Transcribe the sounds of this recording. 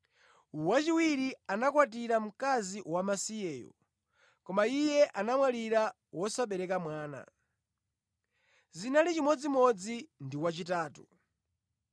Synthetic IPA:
wat͡ʃiwiɾianakwat̬iɾam̩kaziwamasijɛːjɔ̰ | kɔmaijɛʔanamwaliɾa | wɔsaɓɛɾɛkamwaːna̰ | zinalit͡ʃimɔd͡zimɔd͡zindiwat͡ʃitaːtu

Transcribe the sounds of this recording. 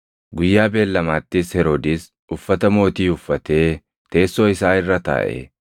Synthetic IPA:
ɡʊjːaːbe̞ːlːɐmaːt̪ːɪshɛɾod̪ɪs | ʊfːɐt̪ɐmo̞ːt̪iːʊfːɐt̪e̞ː | t̪e̞ːsːo̞ːɪsaːɪrːɐt̪a̰ːʔɛ̰

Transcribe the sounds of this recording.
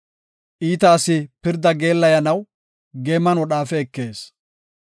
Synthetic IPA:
ʔiːt̪ɐːsɪpɪɾd̪ɐɡe̞ːlːɐjɐnɐw | ɡeːmːɐnwɔɗaːfɛːkːe̞ːs

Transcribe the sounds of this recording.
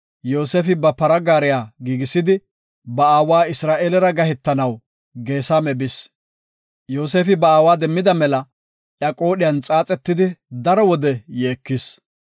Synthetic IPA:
jo̞ːseːfɪbɐpɐɾɐɡaːɾɪjaːɡiːɡɪsːɪd̪ɪ | bɐaːwaːɪsɾaːʔeːlɛɾɐɡɐhɛt̪ːɐnɐw | ɡe̞ːsaːmɛbɪs | jo̞ːse̞ːfɪbɐaːwaːd̪ɛmːɪd̪ɐmɛlɐ | ʔjaːkʼo̞ːɗɪjɐnt͡sʼaːt͡sʼɛt̪ːɪd̪ɪd̪ɐɾɔwɔd̪ɛjeːkːɪs

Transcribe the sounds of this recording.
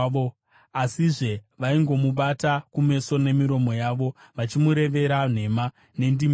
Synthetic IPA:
o | asiʐe̞ | ʋaiŋɡo̞muɓatakume̞so̞ne̞miɾo̞mo̞jaːʋo̞ʋat͡ʃimuɾe̞ʋe̞ɾan̤e̞ma | ne̞ndim

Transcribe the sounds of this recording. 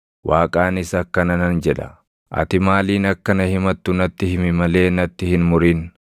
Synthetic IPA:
waːkʼaːnɪsɐkːɐnɐnɐnd͡ʒɛᶑɐ̰ | ʔɐ̰t̪ɪmaːliːnɐkːɐnɐhɪmɐt̪ːʊnɐt̪ːɪhɪmɪmɐle̞ːnɐt̪ːɪhɪnmʊɾin

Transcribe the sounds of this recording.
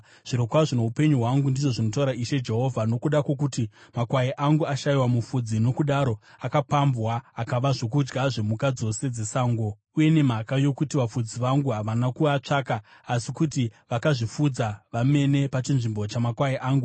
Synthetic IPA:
ʐ̥iɾo̞kwaʐino̞upe̞ɲuɦwaŋɡundiʐo̞ʐino̞t̬auɾaiʃe̞d͡ʒe̞ɦo̞vʱano̞kuɗakwo̞k̬utimakwaeʔaŋɡuaʃajiwamufud͡zino̞kuɗaɾo̞akapambwaːkaʋaʐo̞k̬ud͡ʒɡaʐe̞mukad͡zo̞se̞d͡ze̞saːŋɡo | uje̞ne̞m̤akajo̞kutiʋafud͡ziʋaŋɡuɦaʋanakuat͡ʂakaːsikutiʋakaʐifud͡zaʋame̞ne̞pat͡ʃinʐimbo̞t͡ʃamakwaeʔaːŋɡu

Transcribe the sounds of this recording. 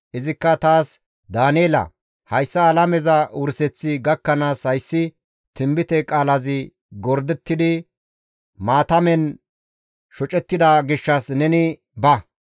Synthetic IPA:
ʔɪzɪkːɐt̪aːs | d̪aːneːlɐ̰ | hɐjsːɐːlɐmɛzɐʊɾsɛt͡sːɪɡɐkːɐnaːshɐjsːɪ | t̪ɪmbɪt̪ɛkʼaːlɐzɪ | ɡɔɾd̪ɛt̪ːɪd̪ɪ | maːt̪ɐmɛn | ʃɔt͡ʃʼɛt̪ːɪd̪ɐɡɪʃːɐsnɛnɪ | bɐ

